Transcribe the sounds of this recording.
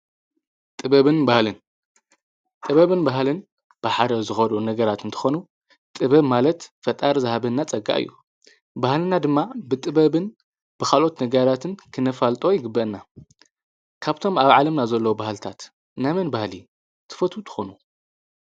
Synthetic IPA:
t̪ʼɨβɐβɨnbahlɨn | t̪ʼɨβɐβɨnbaɦlɨn | b̥ɨħad̪ɐzɨxɐd̪onɐɡɐɾat̪ɨnt̪ʰɨ̥xo̞nu | t̪ʼɨβɐβmalɐt̪fɐt̪ʼaɾzɨhaβɐnːat͡sʼɐɡa̰ʔɨ̰jːu | bahlɨnad̪ɨmːabɨt̪ʼɨbɐβɨn | b̥ɨkalʔo̞t̪nɐɡɐɾat̪ʰɨnkʰɨnɐfalt̪ʼo̞jɪɡɨbːɐʔɨnːa | kʰaβt̪ʰo̞maβʕalɐmnazɐlːɐwubahlt̪ʰat̪ | namɐnbahli | t̪ʰɨ̥fɐt̪ʰut̪ʰɨ̥xo̞nu

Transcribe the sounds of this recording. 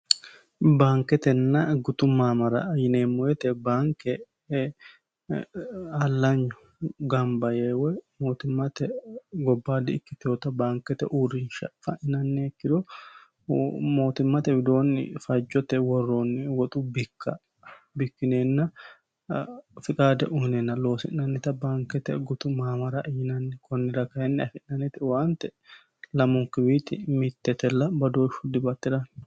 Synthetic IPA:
baːŋkɛt̪ɛnːɐɡʊt̪ʊmːaːmɐɾɐ̰jɪneːmːɔjɛt̪ɛbaːŋkɛ | ɐlːɐɲːʊ | ɡɐmbɐjeːwɛmo̞ːt̪ʊmːɐt̪ɛɡɔbːaːd̪ɪɪkːɪt̪ɪoːt̪ɐbaːŋkɛt̪ɛ̰ʔuːɾɪnʃɐ̰fɐʔɪnɐnːekːɪd̪ɔ | mo̞ːt̪ɪmːɐt̪ɛwɪd̪o̞ːnːɪ̰fɐd͡ʒːɔt̪ɛwɔrːoːnːɪwɔt̪ʼubɪkʰːɐ | bɪkːɪneːnːɐ | fɪkʼaːd̪ɛʔʊhɪnenːɐlo̞ːsɪ̰nːɐnːɛt̪ɐbaːŋkɛt̪ɛ̰ɡʊt̪ʊmaːmɐɾɐʔɪɪnɐnːɛkʰɔnːɪɾɐkɐjɛnːɪɐfɪnːɐnɛt̪ɪwaːnt̪ɛ | lɐmʊŋkɪbiːt̪ɪ̰mɪt̪ːɛt̪ɛlːɐbɐd̪oːɪʃhʊd̪ɪbɐt̪ːɪd̪ɐn

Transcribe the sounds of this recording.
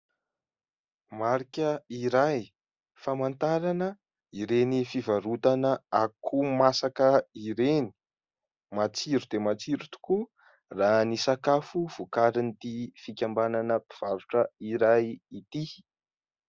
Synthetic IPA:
maɾikʲəiɾaj | famant̪aɾanə | iɾenifivaɾut̪anəakʰumasakəiɾeni̥ | mat͡siɾud̪̥emat͡siɾut̪u̥ku | ranisakafuv̥ukaɾinit̪ifikʲambananəpiv̥aɾuʈ͡ʂəiɾajit̪i

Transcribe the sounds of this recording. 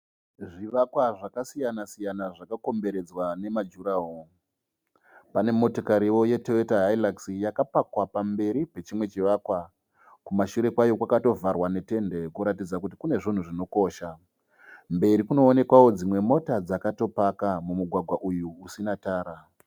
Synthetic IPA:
ʐiʋakwaʐakasijanasijanaʐakako̞mbe̞ɾe̞d͡zwane̞mad͡ʒuɾaɦo | pane̞mo̞tokaɾiʋo̞je̞teetaɦailaksijakapakwapambe̞ɾipe̞t͡ʃimwe̞t͡ʃiʋaːkwa | kumaʃuɾe̞kwajo̞kwakato̞varwane̞te̞nde̞kuɾatid͡zakutikune̞ʐin̤uʐino̞ko̞ːʃa | mbe̞ɾikuno̞ːne̞kwawo̞d͡zimwe̞mo̞tad͡zakato̞pakamumuɡʱwaɡʱwaʔujuːsinataːɾa

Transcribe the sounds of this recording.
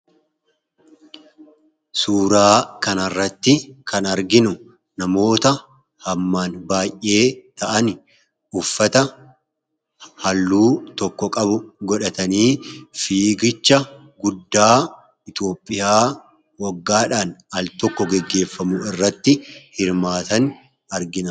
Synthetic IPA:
suːɾaːkɐnɐrːɐt̪ːɪkʰɐnɐɾɡɪnʊ | nɐmo̞ːt̪ɐ | hɐmːaːnbaːjʔʔe̞ːt̪ɐʔɐnɪ | ʊfːɐt̪ɐ | hɐlːuːt̪ɔkːɔkʼɐbʊɡɔᶑɐt̪ɐniːfiːɡɪt͡ʃːɐ | ɡʊd̪ːaː | ɪt̪o̞ːpʼːɪjaː | wɐɡːaːᶑaːnɐlt̪ɔkːɔɡɛɡːe̞ːfːɐmʊɪrːɐt̪ːɪhɪɾmaːt̪ɐn | ɐɾɡɪnɐ

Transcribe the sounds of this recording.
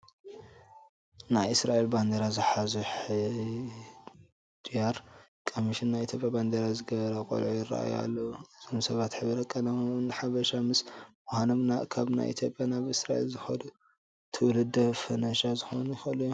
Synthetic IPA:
najɨsɾaʔelband̪eɾazɨħazuħ | d̪ʼijaɾkʼomiʃinːajit̪ʰjopʼjaband̪eɾazɨɡɐβɐɾɐkʼo̰lʕujɪra̰ʔa̰ja̰lːɐuɨz̥omsɐβat̪ħɨβɾɐkʼːɐnɐmnħaβɐʃamɨswohanɐmnaʔkʰaβna̰jʔḭt̪ʰjo̞pʼjanaβɨsɾaʔḛlzɨxɐd̪u | t̪ʰɨwlɨd̪ɐfɐnɐʃazɨxo̰nujxɐluju

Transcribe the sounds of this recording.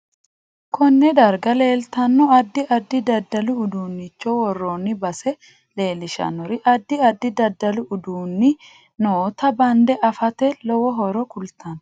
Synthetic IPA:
kʰɔnːɛd̪ɐɾɡɐle̞ːlt̪ɐnːɔɐd̪ːɪʔɐd̪ːɪd̪ɐd̪ːɐlʊːd̪uːnːɪt͡ʃːɔwɔrːoːnːɪbɐsɛ | le̞ːlɪʃɐ̰nːɔɾɪʔɐd̪ːɪɐd̪ːɪd̪ɐd̪ːɐlʊʔʊd̪uːnːɪ | noːt̪ɐbɐnd̪ɛʔɐfɐt̪ɛlɔwɔɦɔɾɔkʊlt̪ʰɐn

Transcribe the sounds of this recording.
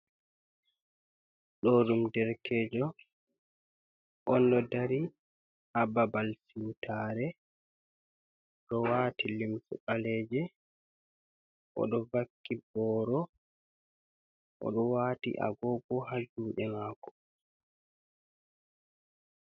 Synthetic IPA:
ɗɔɗumdɛɾkʰɛːd͡ʒɔ | ʔɔndɔdaɾi | hababalsiwtʰaɾɛ | ɗɔwaːtilimsṵɓalɛːd͡ʒɛ | ʔɔ̰ɗɔvakːibɔːɾɔ | ʔɔ̰ɗɔwaːtḭʔa̰ɡɔɡɔhad͡ʒuːɗɛmaːkɔ̥

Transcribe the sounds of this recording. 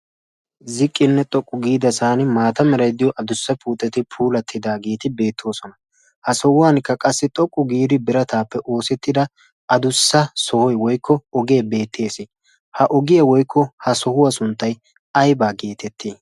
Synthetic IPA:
zɪkʼːɪnːɛt̪ʼɔkʼːʊɡiːd̪ɐsaːnɪmaːt̪ɐmɛɾɐjd̪ɪjɔʔɐd̪ʊsːɐpʰuːt̪ʼːɛt̪ɪpʰuːlɐt̪ʰːɪd̪aːɡeːt̪ɪbe̞ːt̪ʰːo̞ːsɔnɐ | hɐsɔhʊwaːnkːɐkʼɐsːɪt̪ʼɔkʼːʊɡiːd̪ɪbɪɾɐt̪ʰaːpːɛʔo̞ːsɛt̪ːɪd̪ɐ | ɐd̪ʊsːɐsɔhɔjwɔjkʰːɔɔɡe̞ːbe̞ːt̪ʰːe̞ːsɪ | hɐʔɔɡɪjɐwɔjkʰːɔhɐsɔhʊwɐsʊnt̪ːɐj | ɐjbaːɡeːt̪ʰɛt̪ʰːi

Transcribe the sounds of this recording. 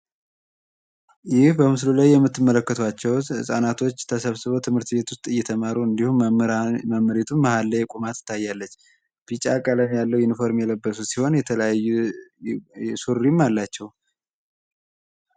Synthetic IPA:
jɪhbəmɨslulajːɛmːɨt̪ːɨmːələkːət̪ʰwat͡ʃːɛwhɨ̰sʼanat̪ʰo̞t͡ʃːt̪ʰəsəβsɨβowt̪ʰɨmhɨɾt̪be̞t̪wʊst̪ʼɨjːɛt̪ʰəmaɾuɨnd̪ihumməmːəɾet̪ʰumːəhalːəjkʼumat̪ʰɨ̥t̪ʰːajːalːət͡ʃː | b̥it͡ʃʼakʼaləmjalːəwɪnfo̞ɾmjɛləbːəsusiho̞njɛt̪ʰələajːu | suɾːimːalːat͡ʃːɛw

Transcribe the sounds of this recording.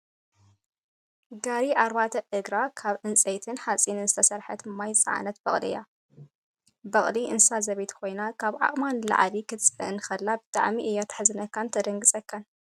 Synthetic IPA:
ɡaɾiʔaɾbat̪ʰɐʔɨɡɾakʰaβʔɨnt͡sʼejt̪ʰɨnħat͡sʼinɨnzɨt̪ʰɐsɐɾħɐ̰t̪majt͡sʼa̰ʕa̰nɐt̪bɐχʼlija | bɐχʼliʔɨnsazɐβet̪ʰkʰo̞jnakʰaβʕa̰χʼmanla̰ʕlikʰɨt͡sʼɨɨnɨxɐlːabɨt̪ʼa̰ʕmiʔɨjːat̪ʰḁħzɨnɐkːant̪ʰɐd̪ɐŋɡɨsʼɐkʰːan

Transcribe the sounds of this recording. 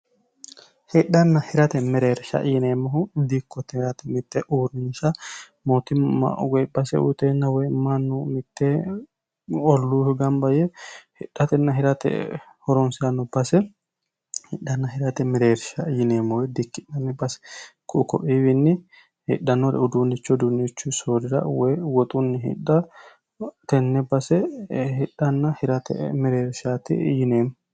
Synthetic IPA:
hɪɗɐnːɐhɪɾɐt̪ɛmɛɾeːɾʃɐ̰ʔjɪneːmːɔhʊd̪ikːɔt̪ɛhɾɐt̪ɛmɪt̪ːɛʔuːɾɪnʃɐ | mot̪ɪa̰wɛbɐsɛ̰ṵt̪enːɐwɛmːɐnːɔmɪt̪ːe | ɔlːuːfʊɡɐmbɐjɛhɪ̰ɗːɐt̪ɛnːɐɦɪɾɐt̪ɛ̰ | hɔɾɔnsɪɐnːɔbɐsɛ | hɪɗːɐnːɐɦɪɾɐt̪ɛmɪɾeːɾʃajɪneːmːɔwɛd̪ɪkːɪᶑɐnːɛbɐsɛ̥kʰʊʔkɔ̰ʔiwɪnːɪ | hɪ̰ɗːɐnːɔɾɛ̰ʊd̪uːnːɪt͡ʃːɔd̪unːɪt͡ʃːʊsoːɾɪɾɐ̰wɛjwɔt̪ʼʊnːɪɦɪ̰ɗːɐ | t̪ɛnːɛbɐsɛhɪɗːɐnːɐhɪɾɐt̪ɛ̰mɪɾeːɾʃaːt̪ɪ̰jɪneːmɔ

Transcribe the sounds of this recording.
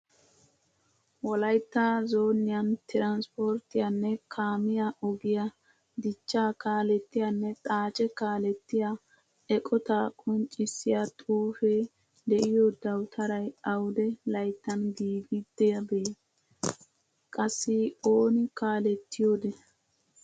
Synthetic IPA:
wɔlɐjt̪ːazo̞ːnːɪjɐnt̪ɪɾanspoɾt̪ːɪjanːɛkʰaːmɪjaʔɔɡɪja | d̪ɪt͡ʃːaːkaːlɛt̪ːɪjanːɛt̪ʼaːt͡ʃʼɛkaːlɛt̪ːɪja | ɛkʼɔt̪akʼɔnt͡ʃʼɪsːɪjat̪ʼuːfeː | d̪ɛʔɪjoːd̪ɐwt̪ʰɐɾɐjɐwd̪ɛlɐjt̪ːɐnɡiːɡɪd̪̥ːɛjɐbeː | kʼɐsːɪoːnɪkaːlɛt̪ʰːɪjoːd̪ɛ

